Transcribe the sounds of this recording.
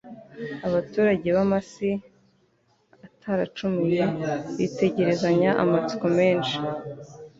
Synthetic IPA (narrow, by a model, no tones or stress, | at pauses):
aβatuːɾaɟe̞βamasi | atʰaɾat͡ʃumineβite̞ɟe̞ɾe̞zaɲaʔa̰mat͡si̥kome̞ːnʃi